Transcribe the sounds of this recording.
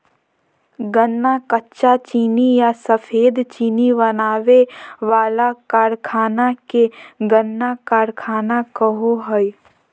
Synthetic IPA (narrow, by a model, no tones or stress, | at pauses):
ɡənːakətːʃat͡ʃiːnijasəpʰeːd̪t͡ʃiːnibənaːʋeʋaːlakaːɾkʰaːnakeɡənːakaːɾkʰaːnakəɦoɦəi